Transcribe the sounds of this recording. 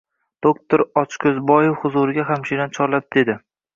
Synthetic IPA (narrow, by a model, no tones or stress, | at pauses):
d̪̥okt̪ʰoɾɒt͡ʃkʲʰɵzbɒjowhʊzuɾɪɡʲaɦamʃenant͡ʃʰɒɾlap̚d̪e̞d̪ɪ